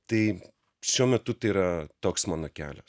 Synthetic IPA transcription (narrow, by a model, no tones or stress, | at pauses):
t̪ɐɪ | ʃʲuɔmʲɛt̪ʊt̪ɐɪiɾɐt̪oːksmɑːnoːkʲæ̰ːlʲɛs